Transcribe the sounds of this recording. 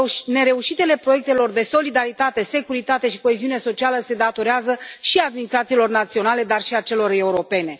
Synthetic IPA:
ne̞ɾe̞uʃit̪e̞le̞pɾo̞je̞k̚t̪e̞lo̞rd̪e̞so̞lid̪aɾit̪at̪e̞se̞kuɾit̪at̪e̞ʃi̥ko̞eziune̞so̞t͡ʃialəse̞d̪at̪o̞ɾeazəʃiad̪minist̪ɾat̪silo̞rnat̪sio̞nale̞d̪arʃiat͡ʃe̞lo̞re̞uɾo̞pe̞ne̞

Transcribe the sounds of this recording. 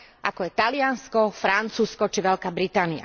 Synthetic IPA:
ʔa̰kɔjɛt̪alɪanskɔfɾant͡suːskɔt͡ʃiʋɛlkaːbɾit̪aːnia̰

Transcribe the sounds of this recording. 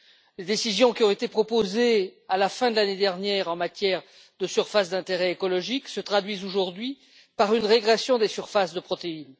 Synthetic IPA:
led̪esizjɔ̃kʲiɔ̃et̪epχɔpozealafɛ̃d̪əlaned̪ɛʁnjɛʁɑ̃mat̪jɛʁ | d̪əsyʁfasd̪ɛ̃t̪eʁɛekɔlɔʒiksət̪χad̪ɥizoʒuʁd̪ɥi | paʁynʁeɡʁɛsjɔ̃d̪esyʁfasd̪əpχɔt̪ein

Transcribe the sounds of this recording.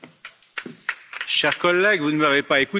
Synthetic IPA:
ʃɛʁkɔlːɛɡvunəmavepaeku

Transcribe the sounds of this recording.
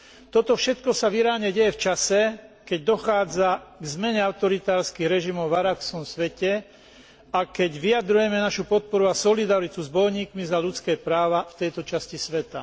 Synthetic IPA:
t̪ɔt̪ɔfʃɛt̪kɔsaʋiɾaːɲɛɟɛjɛft͡ʃasɛkɛɟ̚d̪ɔxaːd͡zaɡzmɛɲɛaʊt̪ɔɾit̪aːɾskiːɣɾɛʒimɔʊvaɾaksɔmsʋɛcɛ | akɛɟʋiad̪ɾujɛmɛnaʃupɔt̪̚pɔɾuasɔlid̪aɾit̪uzbɔjɲiːkmizaʎut͡skɛːpɾaːʋaft̪ɛjt̪ɔt͡ʃascisʋɛt̪a

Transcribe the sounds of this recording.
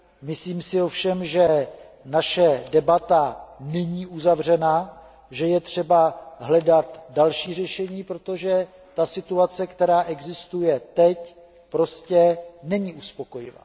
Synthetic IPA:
mɪsliːmsɪo̞fʃɛmʒɛ | naʃɛdɛbat̪anɛɲiːʔuzavr̝ɛna | ʒɛjɛt̪r̝̥ɛbaɦlɛdat̪dalʃiːr̝ɛʃɛɲiːpɾo̞t̪o̞ʒɛ | t̪asɪt̪uat͡sɛkt̪ɛɾaːʔɛɡzɪst̪ujɛt̪ɛc | pɾo̞scɛnɛɲiːʔuspo̞ko̞jɪ̰va̰ː

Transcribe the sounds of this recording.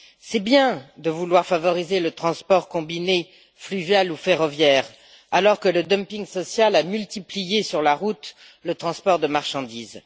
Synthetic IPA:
sɛbjɛ̃d̪əvulwaʁfavɔʁizelət̪χɑ̃spɔʁkɔ̃bine | flyvjalufeʁɔvjɛʁ | alɔʁkələd̪ɔmpiŋsɔsjalamylt̪iplijesyʁlaʁut̪ | lət̪χɑ̃spɔʁd̪əmaʁʃɑ̃d̪iːz

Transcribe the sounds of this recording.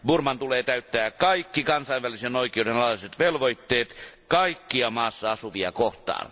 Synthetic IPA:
burmɑnt̪uleːt̪æyt̪ːæːkɑikːikɑnsɑiʋʋælisenoikeˑoudenɑlɑliset̪ʋelʋoit̪ːeːt̪kɑikːiɑmɑːsːɑɑsuʋiɑ̰koht̪ˑɑ̰ːn

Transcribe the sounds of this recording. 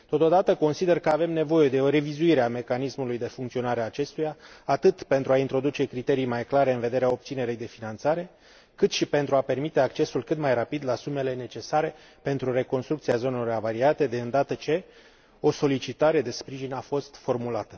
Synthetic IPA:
t̪ot̪o̞d̪at̪əko̞nsid̪e̞rkəave̞mne̞vo̞je̞d̪e̞o̞ɾe̞vizuiɾeame̞kanismulujd̪e̞fuŋkt̪sio̞naɾeaːt͡ʃe̞st̪ujaːt̪ɨt̪pe̞nt̪ɾuaint̪ɾo̞d̪ut͡ʃe̞kɾit̪e̞ɾijmajklaɾe̞ɨnve̞d̪e̞ɾeao̞p̚t̪sine̞ɾejd̪e̞finant̪saɾe̞ | kɨt̪ʃipe̞nt̪ɾuape̞rmit̪e̞ak̚t͡ʃe̞sulkɨt̪majrapid̪lasume̞le̞ne̞t͡ʃe̞saɾe̞ | pe̞nt̪ɾure̞ko̞nst̪ɾukt̪siazo̞nelo̞ravaɾiat̪e̞d̪e̞ɨnd̪at̪ət͡ʃe̞ | o̞so̞lit͡ʃit̪aɾe̞d̪e̞spɾiʒinafo̞st̪fo̞rmulat̪ə

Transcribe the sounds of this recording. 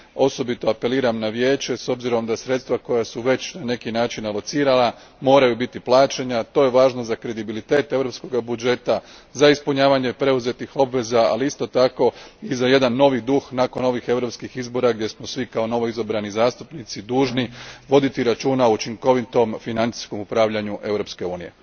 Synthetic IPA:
o̞so̞bit̪o̞ape̞liːɾamnaʋje̞ːt͡ʃe̞so̞bziɾo̞md̪asɾe̞t̪st̪ʋako̞jasuʋe̞t͡ɕnane̞kinaːt͡ʃinlˠo̞t̪siːɾala | mo̞ːɾajubit̪iplˠaːt͡ʃeɲat̪o̞jeʋaːʒnozakɾe̞d̪ibilit̪e̞ːt̪e̞ʋɾo̞psko̞ɡabud͡ʒe̞t̪azaispuɲaːʋaɲe̞pɾe̞uze̞t̪ixo̞bʋe̞zaa̰liist̪o̞t̪ako̞izaje̞d̪anːo̞ʋid̪uxnako̞no̞ʋixe̞ʋɾo̞pskixizbo̞ɾaɡd̪je̞smosʋikao̞no̞ʋo̞izobɾanizaːst̪upnit̪sid̪uːʒniʋo̞d̪it̪iɾat͡ʃuːnaout͡ʃiŋko̞ʋit̪o̞mfinant̪si̥sko̞mupɾaːʋʎaɲuʔe̞vɾo̞pske̞uːnije̞̰

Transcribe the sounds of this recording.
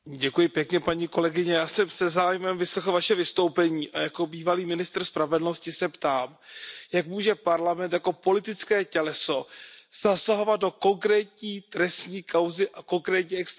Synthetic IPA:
ɟɛkujɪpjɛkɲɛpaɲiːko̞lɛɡɪɲɛjaːsɛmsɛzaːjmɛmvɪslɛxl̩vaʃɛvɪst̪o̞wpɛɲiːʔajako̞biːvaliːmɪnɪst̪r̩spɾavɛdl̩no̞scɪsɛpt̪aːmjakmuːʒɛpaɾlamɛnt̪jako̞po̞lɪt̪ɪt͡skɛːcɛlɛso̞z̥asaɦo̞vad̪̚do̞ko̞ŋkɾɛːcɲiːt̪ɾɛsɲiːkawzɪʔako̞ŋkɾɛːtɲiːɛks

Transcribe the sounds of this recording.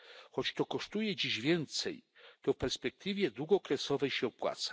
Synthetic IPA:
xɔt͡ɕt̪ɔkɔʂt̪ujɛd͡ʑiʑvʲjɛnt̪sɛjt̪ɔfpɛɾspɛk̚t̪ɘvʲjɛd̪wuɡɔkɾɛsɔvɛjɕɛɔpwa̰t̪sḁ

